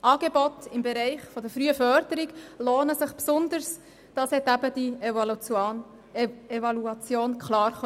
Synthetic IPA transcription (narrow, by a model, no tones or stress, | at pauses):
ʔɑːɡebɔtɪmbeɾɛɪχfɔdəɾfɾyːəfœɾdəɾiɡloːnəsɪχpsʊnd̪əɾs | d̥ɑshɛtæbəd̥i | evɑluɑt͡sjoːnkʰχlɑːɾχ